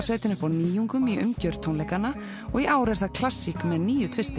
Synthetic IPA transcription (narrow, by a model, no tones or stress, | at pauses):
sveːjt̪ɪnʏfawniːjuŋkʏmiʔʏ̰mcœɾt̪ʰːownlɛjkanːa | ɔɣiʔaːwɾɛɾ̥θaðkʰl̥asːikmɛðniːjʏt̪ʰvɪst̪ɪ